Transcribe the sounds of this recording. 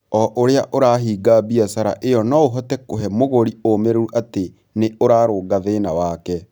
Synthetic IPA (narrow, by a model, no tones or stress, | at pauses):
ɔʔoɾeaʔoɾaːɦiːɡabiasaɾa̰ʔejɔnɔoɦɔtɛkoɦɛmoɣoɾiomeɾeɾuʔate | neoɾaːɾoɡaðeːnawaːkɛ